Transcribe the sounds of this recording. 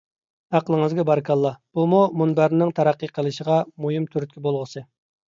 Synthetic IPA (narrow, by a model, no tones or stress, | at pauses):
æqlˠəŋɨzɡʲɛbɑɾkʰɑlˠːɑb̥umumunbæɾnɪŋt̪ʰæɾæqːəjqʰəlˠɨʃəʁɑmujimt̪ʰyɾyt̪̚kʲʰibolˠʁəsɨ